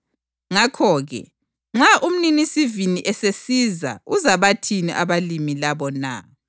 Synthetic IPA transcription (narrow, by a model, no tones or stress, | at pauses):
ŋakʰɔɣɛ̰ | ŋ͡ǁaʔum̩ninisiviniʔɛsesiza̰uzaβatʰinḭʔaβalimilaβɔna̰